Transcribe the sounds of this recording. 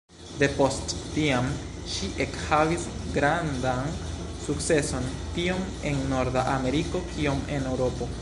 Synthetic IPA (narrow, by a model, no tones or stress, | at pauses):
de̞po̞stːiam | ʃiʔekhavisɡɾandan | suk̚t͡se̞so̞ntio̞m | e̞nːo̞ɾdaʔame̞ɾiko̞kio̞me̞ne̞wɾo̞po̞